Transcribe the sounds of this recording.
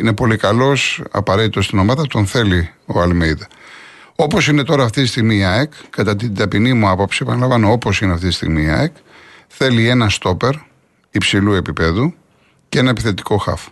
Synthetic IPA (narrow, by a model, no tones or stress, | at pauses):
ine̞po̞likɐlo̞sɐ̰pɐɾe̞t̪it̪ost̪ino̞mɐðɐt̪o̞nθe̞lio̞ɐlmeiðɐ | o̞po̞sine̞t̪o̞ɾɐːft̪itist̪iɣmiːɐekkːɐt̪ɐt̪id̪ɐpinimuɐpopsiepɐnɐlɐvɐno̞o̞po̞sineɐft̪it̪i̥st̪ḭɣmiːɐ̰ekθe̞lie̞nɐst̪o̞pe̞ɾ | ipsilue̞pipe̞ðu | ce̞nɐepiθe̞t̪i̥ko̞xɐ̰fo̥